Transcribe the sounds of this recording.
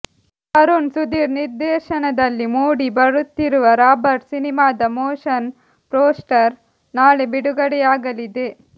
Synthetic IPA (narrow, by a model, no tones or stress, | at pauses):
hɐɾunsud̪iːɾniɾd̪ɛːʃɐnɐd̪ɐlːimuːɽibɐɾut̪ːiɾuʋɐɾaːbɐɾʈsinimaːd̪ɐmoːʂɐn | pɾoːsʈɐɾ | naːɭebiɽuɡɐɽɛjaːɡɐlid̪e̞